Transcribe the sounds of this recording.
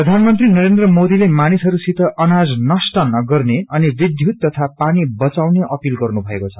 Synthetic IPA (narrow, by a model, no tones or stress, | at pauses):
prʌd̪ʱanmʌnt̪rinʌɾend̪rʌmod̪ilemanisɦʌɾusit̪ʰʌʔʌnad͡znʌsʈʌnʌɡʌrneʌnibid̪ʱjut̪̚t̪ːʌt̪ʰapanibʌt͡sawneʔʌpilɡʌrnubʱʌekot͡sʰʌ